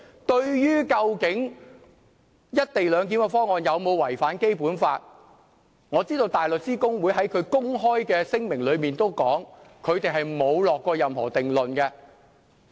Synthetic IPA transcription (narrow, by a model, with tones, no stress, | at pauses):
t̪ɵ˧ɥjyː˥kɐ˧wkɪ˨˥ŋ | jɐ˥t̚t̪e˨jlœː˨˧ŋk̬iː˨˥nkɛ˧fɔː˥ŋɔː˨˧njɐ˨˧wmo˨˧wwɐ˨˩jfaː˨˥nke˥jpuː˨˥nfaː˧t̚ | ŋɔː˨˧t͡siː˥t̪o˧wt̪aː˨˩jlɵ˨k̚t͡siː˥kʊ˥ŋwuː˨˧jɦɐ˨˥jkʰɵ˨˧ɥkʊ˥ŋɦɔː˥jkɛː˧sɪ˥ŋmɪ˨˩ŋlɵ˨˧ɥmiː˨nt̪o˥wkɔː˨˥ŋkʰɵ˨˧ɥt̪e˨jɦɐ˨jmo˨˧wlɔː˨kːɔː˧jɐ˨mhɔ̰ː˨˩t̪ɪ˨ŋlɵ˨nkɛ˧